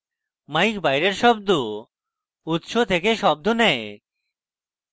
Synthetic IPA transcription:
majkbajɾeɾʃɔb̚d̪o | ut̪ʃot̪ʰekeʃɔb̚d̪onɛe

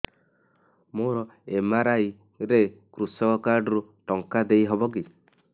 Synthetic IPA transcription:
moɾɔemaɾaj | ɾekɾusɔkɔkaɾɖɔɾuʈɔŋkad̪ejɦɔbɔki

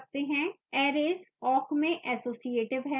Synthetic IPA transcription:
k̚t̪eɦɛ̃ | ɛːɾeːzɔːkmẽʔɛsoːsijeːʈɪʋɦɛ

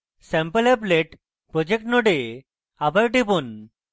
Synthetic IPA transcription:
sɛ̃mpəlepleʈ | pɾɔd͡ʑek̚ʈnoɖe | abaɾʈipun

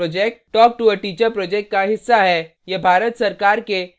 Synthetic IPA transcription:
ɔːd͡ʒɛk̚ʈːɔːk̚ʈuəʈiːt͡ʃəɾpɾɔːd͡ʒɛk̚ʈ̚kaɦɪsːaɦɛ | jɐbʱaːɾət̪sɐɾkaːɾke

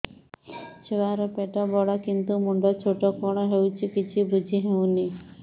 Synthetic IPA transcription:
t͡ʃʰewaɾɔpeʈɔbɔɽakint̪umuɳɖɔt͡ʃʰoʈɔkɔɽ̃ɔɦewt͡ʃʰikit͡ʃʰibud͡ʒʱiɦew̃ni

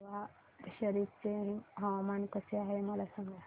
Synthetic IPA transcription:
ʋa | ɕəɾiɾt͡seɦĩɦawmankəseaɦeməlasəŋɡa

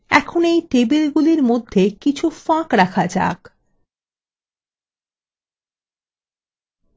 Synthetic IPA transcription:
ɛ̰kʰonejʈebilɡuliɾmod̪ʱːekit͡ɕʰufãkɾakʰad͡ʑa̰k

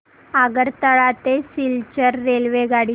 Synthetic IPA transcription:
aɡəɾt̪əɭat̪esilt͡ɕəɾːelʋeɡaɽi

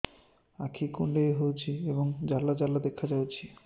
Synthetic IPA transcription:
akʰikuɳɖejɦojt͡ɕʰieboŋd͡ʑalːad͡ʑalːad̪ekʰːad͡ʑawt͡ɕʰi

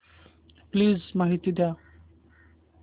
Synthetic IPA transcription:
pliːzmaɦit̪id̪ja

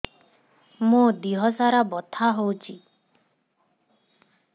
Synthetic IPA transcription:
mud̪iɦɔsaɾabɔt̪ʰaɦowt͡ʃʰi

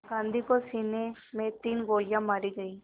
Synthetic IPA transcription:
ɡãːnd̪ʱikosiːnemẽt̪iːnɡoːlɪjãmaːɾiɡɐiː

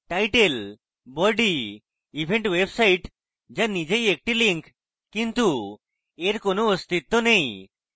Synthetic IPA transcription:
ʈajʈel | bɔɖi | ibʱeɳʈwebsajʈ | d͡ʑanid͡ʑejek̚ʈiliŋkʰ | kint̪u | eɾkonoost̪it̪ːonej

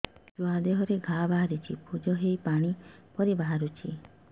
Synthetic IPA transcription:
d͡ʒuad̪eɦɔɾeɡʱabaɦaɾut͡ʃʰipud͡ʒɔɦejpaɽ̃ipɔɾibaɦaɾut͡ʃʰi

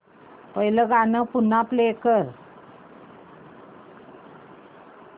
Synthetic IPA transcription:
pəɦiləɡanəpunːaplekəɾ

